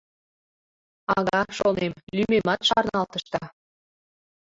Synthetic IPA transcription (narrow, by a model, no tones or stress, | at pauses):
ɑɣɑʃonemlymemɑt̪ʃɑrnɑlt̪əʃt̪ɑ